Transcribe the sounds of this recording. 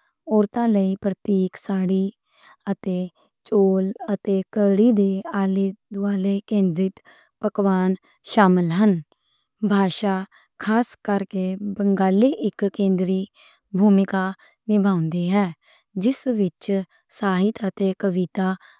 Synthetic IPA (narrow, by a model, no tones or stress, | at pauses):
ɔːɾt̪ãːləiːpɾət̪iːksaːɽiː | ət̪eː | t͡ʃoːlət̪eːkəɽiːd̪eːaːleːd̪ʊaːleːkẽːnd̪ɾɪt̪ | pəkʋaːn | ʃaːmɪlɦən | bʱaːʃaː | kʰaːskəɾkeːbəŋɡaːliːʔɪkkẽːnd̪ɾiː | bʱuːmɪkaː | nɪbʱãːʊ̃nd̪iːɦɛː | d͡ʒɪsʋɪt͡ʃ | saːɦɪt̪ət̪eːkəʋɪt̪aː